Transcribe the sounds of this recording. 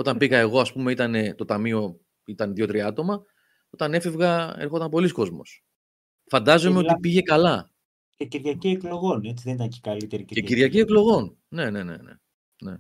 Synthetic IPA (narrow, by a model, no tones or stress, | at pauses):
o̞t̪ɐmpiɣɐe̞ɣo̞ɐspume̞it̪ɐne̞t̪o̞t̪ɐmio̞ | it̪ɐnðjo̞t̪ɾiɐt̪o̞mɐ | o̞t̪ɐne̞fe̞vɣɐeɾxo̞t̪ɐmpo̞lisko̞zmo̞̰s | fɐnd̪ɐzo̞meot̪ipiʝe̞kɐlɐ | ceciɾʝɐciekloɣo̞ne̞t͡siðenit̪ɐnce̥kɐlit̪eɾieciɾʝɐcieklo̞ɣo̞n | ne̞ne̞ne̞̰nḛ | ne̞